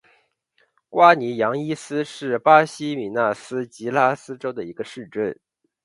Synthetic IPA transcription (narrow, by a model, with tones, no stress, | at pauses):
kwa˥ni˧˥jɑ˧˥ŋi˥sɹ̩˥ʂɻ̩˥˩pa˥ɕi˥mi˨˩na˥˩sɹ̩˥t͡ɕi˧˥la˥sɹ̩˥ʈ͡ʂo˥ʊd̪ə˨i˧˥ɡ̥ə˧ʂɻ̩˥˧ʈ͡ʂə˥˩n